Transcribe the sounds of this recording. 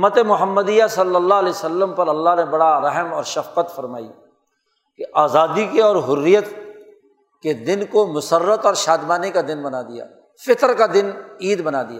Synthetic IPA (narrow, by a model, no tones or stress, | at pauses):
mːət̪emʊɦəmːəd̪ijasɐlːəlːaleːsɐlːəmpɐɾɐlːaɦnebɐɽaɾɐɦəmɔːɾʃɐfqət̪fɐɾma̰ːḭ | keʔaːzaːd̪ikeɔːɾɦʊrːijət̪ | ked̪ɪnkomʊsərːət̪ɔːɾʃaːd̪maːnikad̪ɪnbɐnaːd̪ija̰ː | fɪt̪əɾkad̪ɪniːd̪bɐnaːd̪ijaː